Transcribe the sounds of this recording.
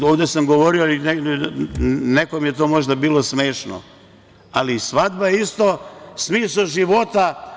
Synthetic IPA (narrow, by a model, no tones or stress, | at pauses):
oʋd̪e̞samɡo̞ʋo̞ɾioine | nekomije̞t̪o̞ːmo̞ʒd̪abiːlo̞smeːʃno̰ | alisʋad̪bajeist̪osmiːsaʒiʋo̞t̪a